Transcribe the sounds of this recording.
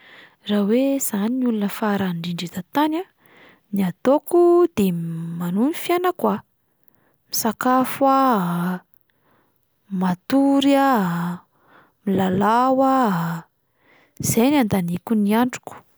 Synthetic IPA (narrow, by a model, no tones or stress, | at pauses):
rawez̥aninulunəfaɾaɳɖ͡ʐiɳɖ͡ʐit̪at̪ana | niat̪okud̪emanunifjanakwa | misakafua | mat̪uɾia | milalawa | z̥ejnand̪anikuniaɳɖ͡ʐu̥ku̥